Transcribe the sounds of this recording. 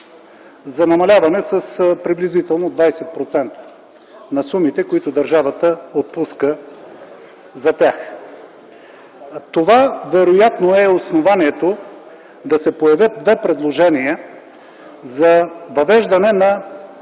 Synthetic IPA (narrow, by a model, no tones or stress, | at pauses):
zɐnɐmɐlʲavɐnɛsəspɾiblʲizit̪ɛlˠnod̪vajsɛt̪̚pɾot̪sɛnt̪ə̥ | nɐsumit̪ɛkoit̪ʊd̪ɐɾʒavɐt̪əot̪̚puskə | zɐt̪ʲjax | t̪ovavɛɾojat̪noɛosnovaniɛt̪o | d̪ɐsɛpojɐvʲjɤt̪̚d̪vɛpɾɛd̪lˠoʒɛniə | zɐvɐvɛʒd̪ɐnɛnɐ